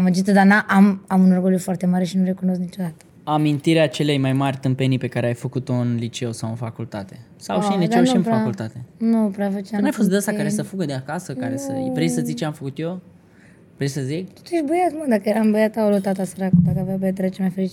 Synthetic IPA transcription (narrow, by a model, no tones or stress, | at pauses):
aməd͡ʒit̪əd̪anaʔamamunorɡoljufoart̪e̞maɾe̞ʃinuɾe̞kuno̞s̬knit͡ʃo̞d̪at̪ə̥ | amint̪iɾeat͡ʃe̞lejmajmarʲt̪ɨmpenipe̞kaɾeajfəkut̪oɨnlit͡ʃe̞wsawɨnfakult̪at̪e̞ | sawʃinlidt͡ʃ̪ewnʃiɨnpɾfaakult̪at̪enupɾafət͡ʃeaɨnajfost̪d̪əsakaɾesəfuɡəd̪eakasəaɾesəvɾejsəzit͡ʃeamfəkut̪jo | vɾejsəzik̪u̥t̪ujeʃbəjamad̪akəjeɾambəjat̪aolot̪at̪asəɾakud̪akavjabəjat̪əɾat͡ʃemajfeɾit͡ʃi